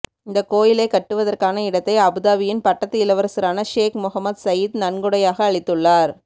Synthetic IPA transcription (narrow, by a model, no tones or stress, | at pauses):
ɪnd̪ɐkoːjɪleːkɐʈːɯʋɐðɐrkaːnɐɪɽɐt̪ːɐɪɐbɯðaːʋɪjɪnpɐʈːɐt̪ːɪɪlɐʋɐɾɐsɪɾaːnɐʂeːkmʊɣɐmːɐd̪sɐjɪd̪nɐnɡɯɽɐjaːɣɐːɭɪt̪ːɯɭːaːɾ